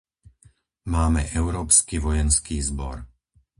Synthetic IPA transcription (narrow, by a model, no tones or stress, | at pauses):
maːmɛ̰ʔɛʊɾɔːpskiʋɔjɛnskiːzbɔ̰ɾ